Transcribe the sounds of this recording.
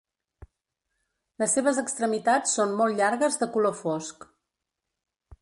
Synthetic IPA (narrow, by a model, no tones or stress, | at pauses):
ləsːeβ̞əzəkst̪ɾəmit̪at͡sːonmːɔlˠʎaɾɣəzðəkulofɔsk